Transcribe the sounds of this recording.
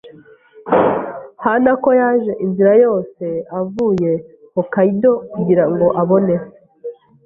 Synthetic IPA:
hanako̞jaːʒe̞ʔinziɾajo̞ːse̞avuːje̞ | kokaido̞kuɟiɾaŋɡo̞ʔaβo̞ne̞

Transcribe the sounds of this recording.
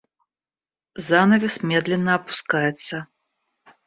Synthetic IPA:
zanɐvʲɛsmʲɛd̪lʲɛnːɐːpu̥skajɛt̪sːɐ

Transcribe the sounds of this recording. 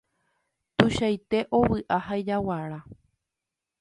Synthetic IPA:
t̪uʃajt̪e̞ʔo̞wɨʔaɦajd͡ʒawaɾa

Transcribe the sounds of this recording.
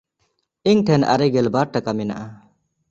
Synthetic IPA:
iŋʈʰɛna̰ɾɛɡɛlbaɾ̚ʈakamina̰ʔa

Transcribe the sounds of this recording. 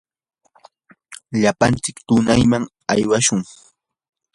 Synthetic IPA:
ʎapant͡sɪkt̪ʊnajmaŋ | a̰jwaʃʊŋ

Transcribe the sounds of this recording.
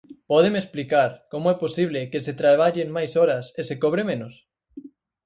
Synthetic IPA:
pɔð̞emesplikaɾkomoɛposiβ̞lekeset̪ɾaβ̞aʎeŋmajsɔɾɐsesekoβ̞ɾemẽnos

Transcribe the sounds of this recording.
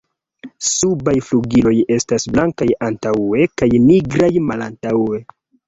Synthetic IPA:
subajfluɡilo̞je̞stasblaŋkajantae̞kajniɡɾajmalantawe̞

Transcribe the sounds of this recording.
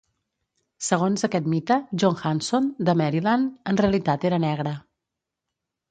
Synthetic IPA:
səɣonzəkɛt̪mit̪əʒoŋxansond̪əmɛɾilanənreəlit̪at̪eɾənɛɣɾə

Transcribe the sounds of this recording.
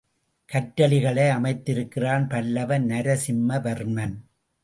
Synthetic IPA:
kɐʈːɐɭɪɣɐɭɐɪɐmɐɪt̪ːɪɾɯkːɪraːnpɐlːɐʋɐnnɐɾɐsɪmːɐʋɐɾmɐn

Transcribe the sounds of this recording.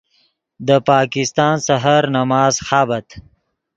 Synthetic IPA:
d̪əpɑːkɪst̪ɑːnsaɦaɾnamɑːzxaːbat̪

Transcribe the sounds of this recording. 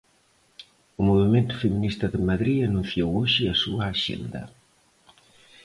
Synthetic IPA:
ʊmoβimẽnt̪ʊ̥feminist̪ɐðɪmaðɾiɐnũnθjowoʃɪasuaːʃḛnd̪ɐ̰

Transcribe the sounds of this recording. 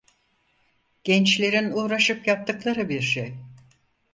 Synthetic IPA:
ɟ̥ɛnt͡ʃlʲe̞ɾinuːɾaʃɯpjap̚t̪ʰɯklˠaɾɯbiɾʃej

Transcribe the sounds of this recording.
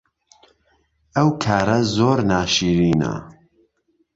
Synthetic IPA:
ɐwkʰaːɾɐzoːɾnaːʃiːɾiːnɐ̰

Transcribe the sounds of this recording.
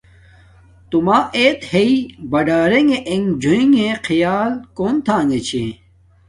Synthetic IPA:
t̪umaːeːt̪heibɐɖaːɾeŋeʔeŋd͡ʑʱuĩŋẽqʰijaːlkoːnt̪ʰãːŋɡet͡ɕʰḛ̃

